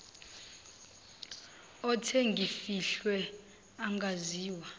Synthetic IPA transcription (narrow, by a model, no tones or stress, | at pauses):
ɔtʰeŋɡʱifiɬwɛ | aŋɡʱaziːwa